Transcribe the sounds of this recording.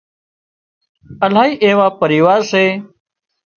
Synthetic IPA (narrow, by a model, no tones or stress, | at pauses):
əlaːɦiːʔeːʋaːpəɾiːʋaːɾseː